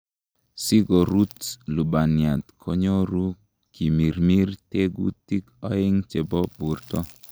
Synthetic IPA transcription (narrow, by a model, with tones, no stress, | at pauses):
si˦ɡɔ˨ɾu˦tlu˨ba˨nja˨t̪kʰɔ˦ɲo˦ɾu˦ | ki˨mi˨ɾmi˦rte˦ɡṵ˦ti˦kɔ˦ɪ˦ŋt͡ʃe˨bɔ˦bu˨rtɔ˦